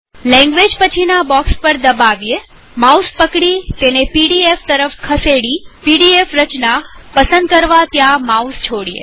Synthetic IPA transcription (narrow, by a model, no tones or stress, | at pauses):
lɛ̃ŋɡʋed͡ʒpət͡ʃʰinabɔkspəɾd̪əbaʋje | mauspəkɽit̪enepiɽieft̪əɾəfkʰəseɽipiɽiefɾət͡ʃnapəsə̃nd̪kəɾʋat̪jãmaust͡ʃʰoɽijḛ